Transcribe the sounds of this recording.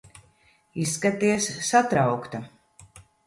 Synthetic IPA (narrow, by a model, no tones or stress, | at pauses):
isːkat̪iɛsːat̪ɾawkt̪a